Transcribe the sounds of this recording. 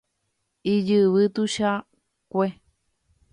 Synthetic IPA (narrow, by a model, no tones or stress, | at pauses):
id͡ʒɨβɨt̪uʃa | kʷe